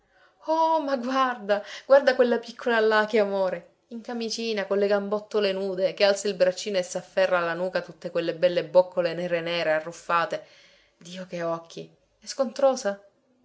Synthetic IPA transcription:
ɔmaɡward̪aɡward̪akwelːapikʰːolalːakeamoːɾe | iŋkamit͡ʃiːnakolːeɡambɔt̪ːolenuːd̪ekealt̪sailbɾat͡ʃːiːnoesːafːɛrːaːlːanuːkat̪ut̪ːekwelːebɛlːebokːolenɛːɾenɛːɾearːufːaːt̪e | d̪iːokeɔkʰːi | ɛskont̪ɾoːza

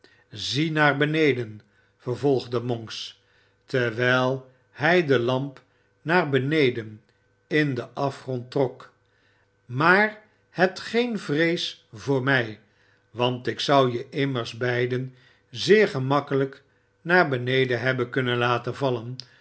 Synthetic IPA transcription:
zinaːɹbənejdən | vəɹvɔlˠχdəmɔŋks | tɛɹʋɛjlˠ | hɛjdəlɑmp | naːɹbənejdən | ɪndəʔɑfχrɔntrɔk | maːr | hətχejnvrejsvʊːɹmɛj | ʋɑntɪksʌwjəʔɪməɹzbɛjdən | zɪːɹχəmɑkələk | naːɹbənejdənɦɛbənkɵnənlaːtənvɑlən

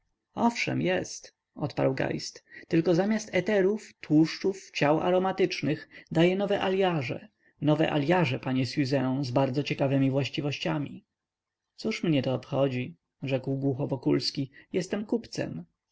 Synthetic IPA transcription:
ɔfʂɛ̰mjɛst̪ | ɔt̪pa̰ɾwɡa̰jst̪t̪ɘlkɔzamʲast̪ʰɛt̪ɛɾuft̪wuʂt͡ʂuft͡ɕawa̰ɾɔmat̪ɘt͡ʂnɘxd̪ajɛnɔvɛʔaljaʐɛ̰ | nɔvɛ̰ʔa̰lʲjaʐɛpaɲɛsjuzɛɔ̃zbaɾd̪zɔt͡ɕɛkavɛmʲivwaɕt͡ɕivɔɕt͡ɕamʲḭ | t̪suʂmɲɛt̪ɔːpxɔd͡ʑi | ʐɛkwɡwuxɔvɔkulskʲijɛst̪ɛmkupt̪sɛ̰m

